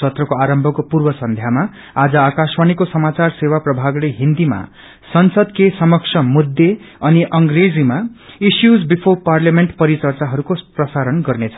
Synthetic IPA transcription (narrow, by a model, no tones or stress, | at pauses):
ʌt̪rʌkoaɾʌmbʱʌkopurbʌsʌnd̪ʱjama | ad͡zʌakasmanikosʌmat͡sarsewaprʌbʱaɡleɦind̪ima̰ | sʌnsʌd̪kesʌmʌksʰʌmud̪ːeʌniʔʌŋɡred͡zimaisjud͡zbipʰoparljameɳʈpʌɾit͡sʌrt͡saɦʌɾukoprʌsaɾʌnɡʌrnet͡sʰʌ